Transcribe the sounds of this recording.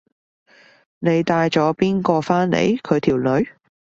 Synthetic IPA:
ne˨˧jt̪aː˧jt͡ʃɔː˨˥piː˥nkɔː˧faː˥nlḛ˨˧jkʰɵ˨˧ɥt̪ʰiː˨˩wlɵ˨˧ɥ

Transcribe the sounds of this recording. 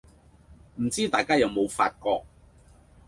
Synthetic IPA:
m̩˨˩t͡siː˥t̪aː˨jkaː˥jɐ˨˧wmo˨˧wfa̰ː˧t̚kɔː˧k̚

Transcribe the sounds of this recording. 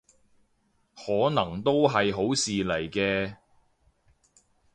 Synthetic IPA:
hɔː˨˥nɐ˨˩ŋt̪o˥wɦɐ˨jɦo˨˥wsiː˨lɐ˨˩jkɛː˧

